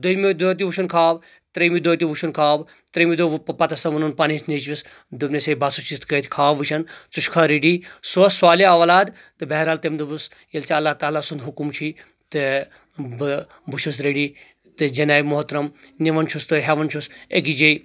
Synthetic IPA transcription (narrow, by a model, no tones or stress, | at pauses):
d̪ojmid̪ot̪̬iʋuʃʰɐnkʰaːb | t̪ɾemid̪ot̪ibuʃʰɐnkʰaːb | t̪ɾemid̪oppɐt̪ɐsɐʋɐnunpanisnet͡ʃʋis | d̪ubnesebasut͡ʃʰit̪kɐt̪ʰʲkʰaːʋɨʃʰɐnt͡suʃkʰaːɾeɖiːsoɐsswaːliɐʋalaːd̪ | t̪ɨbɛɦɾaːlt̪emd̪ɨbus | jɐlt͡ʃaɐlːaːɦt̪aːlaːsund̪ɦukumt͡ʃʰi | t̪ɨ | bɨ | buʃʰus̬ɾeɖi | t̪ɨd͡ʒɐnaːimoɦt̪ɾɐmniʋɐnt͡ʃʰust̪ɨɦeʋɐnt͡ʃʰuseɡid͡ʒej